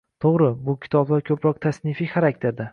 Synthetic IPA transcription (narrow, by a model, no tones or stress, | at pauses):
t̪ʰoʁɾɪbʊkʲʰɪ̥t̪ʰɒblaɾkʲʰɵpʰɾɒq̚t̪ʰasnɪfiχaɾakʲt̪ʰeɾd̪a